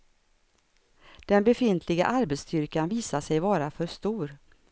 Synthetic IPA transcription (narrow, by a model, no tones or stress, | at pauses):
d̪̥ɛnbɛfɪnt̪ʰlɪɡa̰ʔaɾbɛt̪st̪ʏɾkanviːsaʂɛjvɑːɾafœʂt̪uːɾ